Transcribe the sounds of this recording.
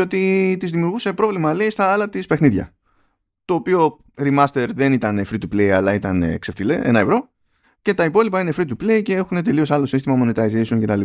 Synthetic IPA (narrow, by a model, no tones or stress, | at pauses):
o̞t̪it̪izðimiuɾɣuse̞pɾo̞vlimɐleist̪ɐɐlɐt̪ispe̞xniðʝɐ̰ | t̪o̞ːpio̞ | ɾimɐst̪e̞ɾðe̞nit̪ɐnefɾit̪uplejɐlɐit̪ɐnḛkseft̪ile̞̰ʔe̞̰nɐevɾo̞ | ce̞t̪ɐipo̞lipɐine̞fɾit̪̬uple̞ice̞e̞xune̞t̪̬e̞lio̞sɐlo̞sinst̪imɐmo̞net̪ɐizesuŋcet̪ɐli